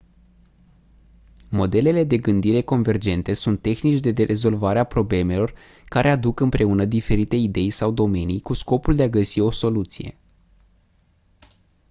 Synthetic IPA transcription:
mo̞d̪e̞le̞le̞d̪e̞ɡɨnd̪iɾe̞ko̞nve̞rd͡ʒe̞nt̪e̞sunt̪ːe̞xnit͡ʃʲd̪e̞d̪eɾʔe̞zo̞lvaɾeapɾo̞ble̞me̞lo̞r | kaɾʔe̞ad̪ukɨmpɾe̞unəd̪ife̞ɾit̪e̞id̪e̞jsawd̪o̞me̞nijkusko̞puld̪e̞aɡəsio̞so̞lut̪sije̞̰

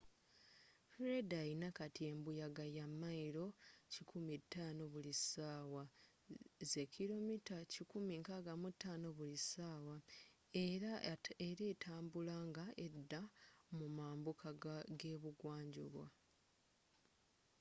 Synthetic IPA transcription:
fɾedainakatie̞mbujaɡajamːaiɾo̞cikʰumitːaːno̞βulisaːwa | ze̞kilo̞mitacikumiŋkaɡamutːaːno̞βulisaːwa | eɾeɾetʰaːmbulaŋɡaʔedːamumaːmbukʰaɡɡeːβuɡwaːɲɟṵβwa̰

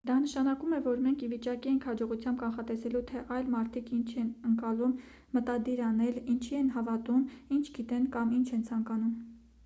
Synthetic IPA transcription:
d̪ɑnəʃɑnɑkumɛvɔɾmɛŋkʰivit͡ʃɑkiɛŋkʰhɑd͡ʒɔʁut͡sʰjɑmb̚kɑnχɑt̪ɛsɛlut̪ʰɛʔɑjlmɑɾt̪ʰikʰint͡ʃʰɛnəŋkɑlumː | ət̪ɑd̪iɾɑnɛlint͡ʃʰiɛnɦɑvɑt̪umint͡ʃʰɡit̪ɛnkɑmint͡ʃʰɛnt͡sʰɑŋkɑnum

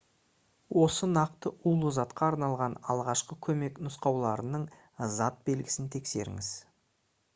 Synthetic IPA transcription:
wo̞sənɑqt̪əʔulˠuzɑt̪qɑːɾnɑlˠʁɑnɑ̰lˠʁɑʃqəkʲʰɵme̞knʊsqɑwlˠɑɾənəɴ | zɑt̪̚be̞lɡʲɪ̥sɪnt̪ʰe̞kse̞̰ɾɪ̰ŋɪz

